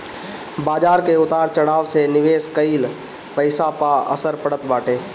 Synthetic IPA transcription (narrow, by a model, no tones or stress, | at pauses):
baːd͡ʒaːɾkeʊt̪aːɾt͡ʃəɽaːʋsenɪʋeːskəil | pəɪsapaə̰səɾpəɽət̪baːʈeː